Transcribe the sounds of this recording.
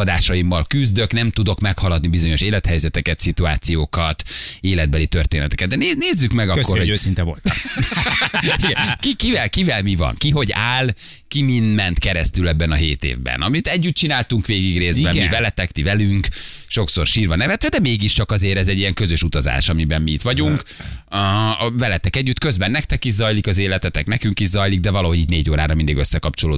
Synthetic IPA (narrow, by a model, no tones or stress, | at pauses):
ɒd̪aːʃɒjimːɒlkyzd̪ø̞knɛmt̪ud̪o̞kmɛkhɒlɒd̪nibizoɲo̞ʃeːlɛt̪hɛjzɛt̪ɛkɛt̪sit̪uaːt̪sijoːkɒt̪eːlɛd̪̚bɛlit̪ørt̪eːnɛt̪ɛ̥kɛd̪d̪ɛneneːzːykmɛɡɒkkːorhoɟøːsint̪ɛvo̰lt̪ | iɡɛkikivɛlkivɛlmivɒ̰ŋkiɦo̞ɟaːl | kimind̪mɛnt̪kɛɾɛst̪ylɛbːɛnɒɦeːt̪ḛːvbɛ̰nɒmit̪ɛɟːyt̪̚t͡ʃinaːlt̪uŋkʋeːɡiɡreːzbɛmmivɛlɛt̪ɛkt̪ivɛlyŋkʃo̞kso̰rʃiːrvɒnɛvɛt̪ʋɛd̪ɛmeːɡiʃt͡ʃɒkɒzeːɾɛzɛɟːijɛŋkø̞zøʃut̪ɒza̰ːʃɒmibɛmmiit̪ʋɒɟuŋk | vɛlɛt̪ɛkɛɟːyt̪kø̞zbɛnːɛk̚t̪ɛkizɒjlikɒzeːlɛt̪ɛt̪ɛknɛkyŋkiʃzɒjliɡ̚d̪ɛvɒlɒɦo̞ɟit̪neːɟoːɾa̰ːɾɒmind̪iɡøsːɛkɒpt͡ʃoloː